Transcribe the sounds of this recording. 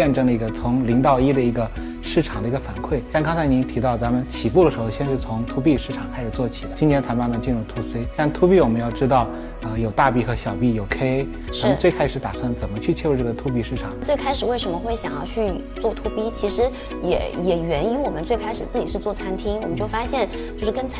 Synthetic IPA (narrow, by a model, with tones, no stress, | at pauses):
jɛ˥˧nʈ͡ʂɤ˥˩ŋd̪ə˩i˧˥ɡə˧t͡sʰʊ˧˥ŋli˧˥ŋt̪ɑ˥˩ʊi˥d̪ə˨i˧˥ɡə˧ | ʂɻ̩˥˩ʈ͡ʂʰɑ˨˩ŋd̪ə˦i˧ɡə˧fa˧˥nkʰwe˥˩ɪt̪a˥˧nkɑ˥ŋt͡sʰa˧˥ɪni˧˥nt̪ʰi˧˥ɑ˥˩ʊt͡sa˧˥mə˨nt͡ɕʰi˨˩fu˥˩d̪ə˩ʂɻ̩˧˥xo˥˧ʊɕjɛ˥˧nʂɻ̩˥˩t͡sʰʊ˧˥ŋt̪ʰu˧˥pi˥˧ʂɻ̩˥˩ʈ͡ʂʰɑ˨˩ŋkʰa˥ɪʂɻ̩˨˩t͡swɔ˥˩t͡ɕʰi˨˩lə˦t͡ɕi˥nʰjɛ˥nt͡sʰa˧˥ɪma˥˧nmə˧nt͡ɕi˥˧nɻu˥˩ŋt̪ʰu˧˥se˥ɪt̪a˥˩nt̪ʰu˥pi˥˩wɔ˨˩mə˦njɑ˥˩ʊʈ͡ʂɻ̩˥t̪ɑ˥˩ʊ | ə˧jo˨˩ʊt̪a˥˧pi˥˩xɤ˧˥ɕjɑ˨˩ʊpi˥˩jo˨˩ʊkʰe˥ɪ | ʂɔ˩˧mə˧ʈ͡ʂɤ˥˩ɪkʰa˥ɪʂɻ̩˧˥t̪a˨˩sa˥˩ŋt͡sə˨˩mə˦t͡ɕʰy˥˧t͡ɕʰjɛ˥˧wʈ͡ʂɤ˥˩ɡə˩t̪ʰu˧˥pi˥˧ʂɻ̩˥˩ʈ͡ʂʰɑ˨˩˦ŋt͡swe˥˩ɪkʰa˥ɪʂɻ̩˨˩we˥˩ɪʂə˧˥mə˧xwe˥˩ɪɕjɑ˨˩ŋjɑ˥˧ʊt͡ɕʰy˥˧ | t͡swɔ˥˩t̪ʰu˧˥pi˥t͡ɕʰi˧˥ʂɻ̩˧˥ | jɛ̰˨˩jɛ˨˩ɥɛ˧˥ni˧˥wɔ˨˩mə˦nt͡swe˥˩ɪkʰa˥ɪʂɻ̩˨˩t͡sɹ̩˥˩t͡ɕi˨˩ʂɻ̩˥˧t͡swɔ˥˩t͡sʰa˥nt̪ʰi˥ŋwɔ˨˩mə˦nt͡ɕjo˥˩ʊfa˥ɕjɛ˥˩n | t͡ɕjʂɻ̩˥˧kə˥nt͡sʰ